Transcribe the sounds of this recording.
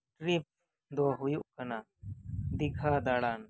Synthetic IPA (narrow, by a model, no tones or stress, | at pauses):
ʈɾip̚ | d̪ɔɦujuʔkɐna | d̪iɡʱʰad̪aɽan